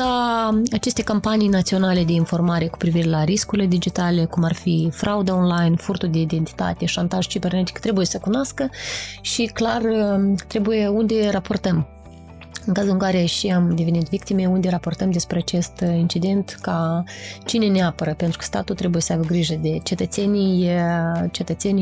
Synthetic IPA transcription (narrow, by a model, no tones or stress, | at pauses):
aat͡ʃe̞st̪e̞kampanijnat̪sio̞nale̞d̪e̞info̞rmaɾe̞ku̥pɾiviɾe̞laɾiskuɾile̞d̪id͡ʒit̪ale̞kumarfifɾʔaud̪ao̞nlajnfurt̪uld̪e̞id̪e̞nt̪i̥t̪a̰t̪e̞ʃant̪aʒt͡ʃibe̞rnet̪i̥kt̪ɾe̞buje̞səkunoaskəʃiklarət̪ɾe̞buje̞und̪e̞rapo̞rt̪əm | ɨŋkazulɨŋkaɾe̞ʃiamd̪e̞venit̪vikt̪ime̞und̪e̞ɾapo̞rt̪əmd̪e̞spɾeat͡ʃe̞st̪int͡ʃid̪e̞nt̪kat͡ʃine̞neapəɾəpent̪ɾu̥kə̥st̪a̰t̪ut̪ɾe̞buje̞səajbəɡɾiʒəd̪e̞t͡ʃe̞t̪ət̪se̞nij | t͡ʃet̪ət̪se̞n